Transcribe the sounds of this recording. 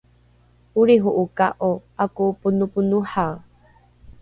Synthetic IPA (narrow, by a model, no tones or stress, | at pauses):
uɾiɦuʔukaʔoakupunupunuħaw